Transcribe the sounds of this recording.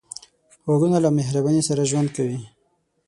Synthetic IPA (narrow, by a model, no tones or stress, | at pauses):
oɡunalameɦɾabanesaɾaʒwand̪̚kawi